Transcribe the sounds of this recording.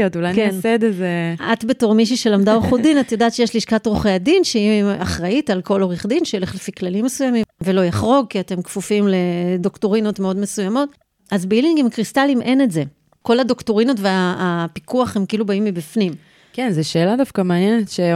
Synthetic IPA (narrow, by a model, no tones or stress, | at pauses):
otulajnkensed̪ezeatbeto̞ʁmiʃ̬iʃe̞lamdaoχudinatjodaːtt͡ʃejeʃliʃkatʁoχejadinʃeia̰χʁaitalko̞lo̞ʁiχdinʃeeleχlefiklalimːesujamimve̞lo̞jaχʁo̞ɡ̚kiate̞mkfufimle̞do̞ktoʁino̞tmeo̞dme̞sujamo̞t̚ | azbiliŋɡimkʁistalimʔe̞ne̞tze̞ | ko̞lado̞ktoʁinotveaːpikuaχhe̞mkiilubaimːibifnim | kenzeʃeːladafkameanjɛnetʃe